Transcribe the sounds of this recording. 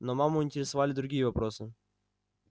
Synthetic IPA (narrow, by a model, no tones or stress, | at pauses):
nomamʊɪnʲtʲɪɾʲɪsɐvalʲɪd̪ɾʊɡʲijəvɐpɾosɨ